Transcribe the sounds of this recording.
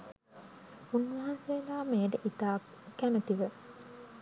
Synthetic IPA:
unːʋɐɦansejːɡaːmeːʈəʔit̪aː | kːæmət̪iʋə

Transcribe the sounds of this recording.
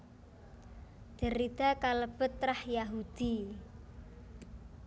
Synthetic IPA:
d̪̥ə̤ɾid̪̥a̤kaləb̥ət̪ːɾahjaɦud̪̥i

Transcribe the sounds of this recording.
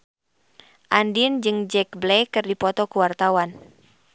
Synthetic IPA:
ʔandind͡ʒɨŋd͡ʒɛk̚blɛkɨrdipɔt̪ɔkuwart̪awan

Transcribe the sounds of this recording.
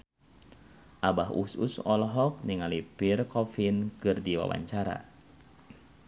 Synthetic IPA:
ʔabaɦṵsṵsɔlɦɔk̚niŋalipirkɔfinkɨrdiwa̰wa̰ɲt͡ʃaɾa̰

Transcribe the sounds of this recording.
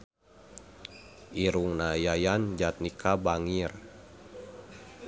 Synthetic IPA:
ʔiɾuŋnajajand͡ʒat̪̚nikʰabaŋir

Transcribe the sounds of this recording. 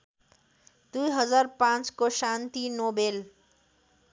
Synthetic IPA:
d̪ujɦʌd͡zaɾpãt͡skosãnt̪inobel

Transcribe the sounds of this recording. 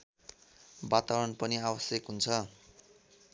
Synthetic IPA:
bat̪awɾʌnpʌniabʌsjekɦunt͡sʰʌ

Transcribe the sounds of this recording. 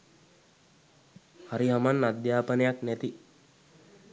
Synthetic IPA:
haɾiɦamanːad̪jaːpənejaknæt̪i

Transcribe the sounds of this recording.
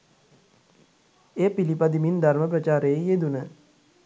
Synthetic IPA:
eːpilipad̪imind̪aɾməp̬ɾət͡ʃaːɾeejed̪unə

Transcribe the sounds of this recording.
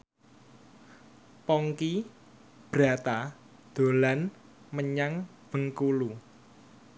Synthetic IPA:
pɔŋki | b̥ɾa̤t̪a | d̪̥o̤lan | məɲaŋ | b̥əŋkulu

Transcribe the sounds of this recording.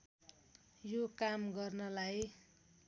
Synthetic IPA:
jokamɡʌrnʌlaj

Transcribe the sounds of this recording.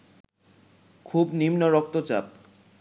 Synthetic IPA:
kʰubnimnoɾɔk̚t̪ot͡ɕa̰p̚

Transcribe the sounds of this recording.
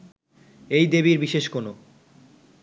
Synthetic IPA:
ejd̪eβiɾbiʃeʃkono

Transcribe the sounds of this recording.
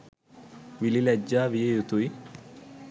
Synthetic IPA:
ʋililæd͡ʒːaːʋijejut̪ui

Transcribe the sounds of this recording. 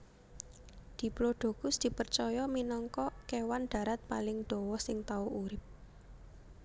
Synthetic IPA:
d̪̥i̤ploɖ̪̥o̤ɡ̥ʊsd̪̥i̤pərt͡ʃɔjɔminɔŋkɔkewanɖ̪̥ä̤ɾat̪̚palɪŋd̪̥ɔ̤wɔsɪŋt̪auʔuɾɪp̚

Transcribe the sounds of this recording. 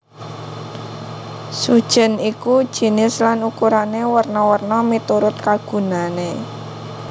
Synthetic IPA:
sud̥ʒ̥ə̤nikud̥ʒ̥i̤nɪslanukuɾanewərnɔwərnɔmit̪uɾʊt̪̚kaɡ̥ṳnane

